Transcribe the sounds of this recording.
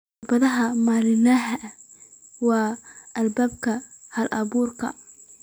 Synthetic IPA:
bɐðɐɦɐmaːlɪnaːɦɐ | wɑːʔɐlbaːb̚kʰɐ | hɐlʔɐβuːrkʰɐ̰

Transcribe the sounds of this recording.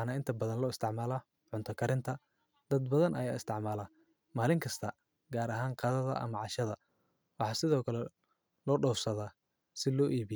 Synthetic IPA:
nɐɪnt̪ʰɐbɐðɐnlɔːɪst̪ʰɪʕmaːlɐ | ʕʊnt̪ʰɐkʰɐɾɪnt̪ʰɐ | d̪ɐd̪̚bɐðɐnʔɐjaːɪst̪ʰɪʕmaːlɐ | maːlɪŋkʰɐst̪ʰɐ | ɡaːɾɐɦaːŋqɑːðɐðɐ̰ʔɐ̰mɐʕɑʃɐðɐ | wɑħɑːsɪðɔːkʰɐlɛ | lɔːɖɔwsɐðaː | sɪlɔːʔiːβɪ

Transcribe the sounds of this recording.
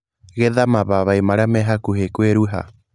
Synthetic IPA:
ɣɛðamaβaβaimaɾamɛɦakuɦekweɾuɦa̰

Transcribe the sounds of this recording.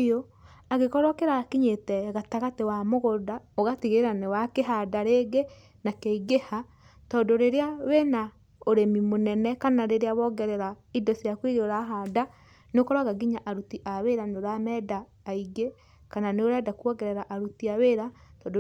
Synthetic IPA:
jo | aɣekɔɾɔkɛɾaːkiɲetɛɣataɣatewamoɣodaoɣatiɣeɾeɾanewakeɦadaɾeɡe | nakeiɡeha | tɔdoɾeɾeawena | oɾemimonɛnɛkanaɾeɾeaβɔɡɛɾɛɾaidɔsjakwiɣoɾaɦada | nekoɾwaɣaɡiɲaʔaɾutiʔaweɾanoɾamɛdaː | iɡe | kananeoɾɛdakuɔɣɛɾɛɾaʔaɾutiaweɾatɔdo

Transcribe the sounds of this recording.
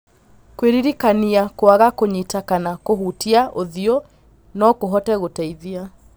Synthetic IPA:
kweɾiɾikaniakoaɣakoɲitakanakoɦuːtiaʔoðiɔ | nɔkoɦɔtɛɣotɛiðia

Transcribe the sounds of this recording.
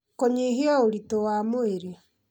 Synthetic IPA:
koɲeɦiɔoɾitowamoeɾe

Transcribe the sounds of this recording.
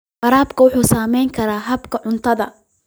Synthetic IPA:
fɐɾaːbkʰɐwʊħuːsaːmɛjŋkʰɐɾaːɦɐbkʰɐʕʊnt̪ʰɐðɐ̰

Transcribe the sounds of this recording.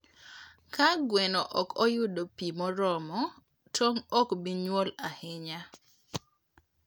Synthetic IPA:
kaɡwɛnɔʔɔkʰɔjʊdopimɔɾɔmɔ | tʰoŋɔkbiɲwɔlahɪɲa

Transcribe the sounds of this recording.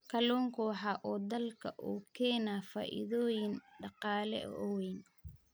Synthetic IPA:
kʰɐlɔːŋkʰʊħɑʔɔːd̪ɐlkʰɐʔuːkʰɛːnaːfa̰ːʔɪ̰ðɔːjɪnɖɑqɑːlɛ̰ʔʔɔwɛjn

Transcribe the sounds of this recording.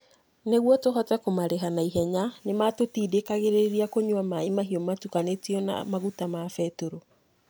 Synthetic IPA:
neɣwɔtoɦɔtɛkomaɾeɦanaiɦɛɲanematotiːdekaɣeɾeɾiakoɲwamaimaɦiɔmatukanetiɔna̰maɣutamafɛtoɾo

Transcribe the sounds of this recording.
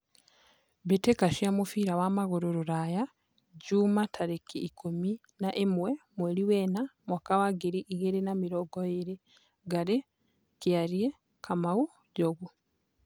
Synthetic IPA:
betekaʃiamufiɾawamaɣuɾuɾuɾaja | ɟumatʰaɾekiːkumi | naʔemwemweɾiweːnamwakawaɡiɾiʔiɣeɾenamiɾoɡojiɾe | ɡaɾe | kiaɾje | kʰamawu | ɟoɣu

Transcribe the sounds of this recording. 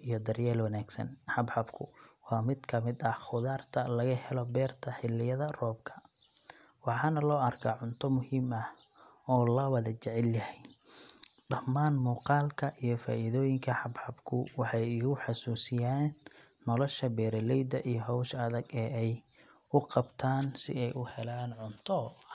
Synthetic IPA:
ijɔd̪ɐrjɛːlwɐnaːɡsɐ̰nħɑbħɑbkʰʊ̰wɑːmɪd̪kʰɐmɪd̪ɐhχʊðaːrt̪ʰɐlɐɣɐhɛlɔbɛːrt̪ʰɐħɪlːɪjɐðɐrɔːb̚kʰɐ̥ | wɑħɑːnɐlɔːɐrkʰa̰ːʕʊnt̪ʰɔmʊhiːmɐh | ɔːlɐwɐðɐt͡ʃɛʕɛljɐhɛj | ɖɐmːaːnmuːqɑːlkʰɐʔijɞfa̰ːʔiðɔːjɪŋkʰɐħɑbħɑbkʰʊ̰wɑħɑjɪɣʊħɑsuːsɪjaːnː | ɔlɔʃɐbɛːɾɐlɛjd̪ɐʔijɔɦɔwʃɐðɐɡɛːɛj | ʊqɑbt̪ʰaːnsɪ̰ɛjʔʊhɛlaːnʕʊnt̪ʰɔ

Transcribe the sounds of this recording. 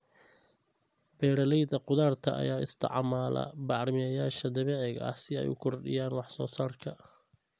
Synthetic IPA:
b̥ɛːɾɐlɛjðɐqʊðaːrt̪ʰɐʔɐ̰jaːɪst̪ʰɑ̰ʕmaːlɐ̰bɑʕɾmɪɐjaːʃɐd̪ɐβɛːʕɪɣɐ̰ɐ̰sɪɛ̰jʊ̰kʰɔrɖɪ̰jaːnwɑħsɔːsaːrkʰɐ

